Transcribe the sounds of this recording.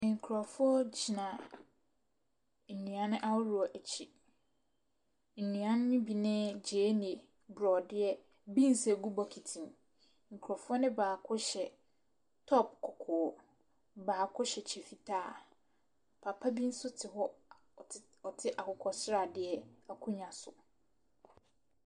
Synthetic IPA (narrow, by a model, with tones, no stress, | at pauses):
ŋ̩˨kʰu˨ɾɔ˨fʊ˦ɔ˦d͡ʑi˨nã˨ | n̩˨nũ˨a˨nʊ̃˦ʔa˦wʊ˦ɾu˨ɔ˨ʔæ˨t͡ɕʰi˨ | n̩˨nũ˨ã˨nʊ̃˦nĩ˦bi˨nɪ̃˦d͡ʑeː˨˦n˨e˨ | bɾɔ˨dɪ˦ɛ˦ | bĩ˦n̩˨se˨ɡu˦bɔ˨kʰi˨tʰĩ˨m˨ | ŋ̩˨kʰɾɔ˨fʊ˦ɔ˦nɪ̃˦baː˨kʰʊ˦ɕɛ˨ | tʰɔ˦p̚kʰɔ˨kʰɔ˨ | baː˨kʰʊ˦ɕɛ˨t͡ɕʰɛ˨fi˨tʰaː˦˨ | pʰa˨pʰa˦bi˦n̩˦sʊ˦tʰɪ˨ɦɔ˦ | ɔ˨tʰɪ˦ʔa˨kʰʊ˨kʰɔ˨sɾa˨dɪ˦ɛ˦a˨kʰʊ˦ɲã˨sʊ˨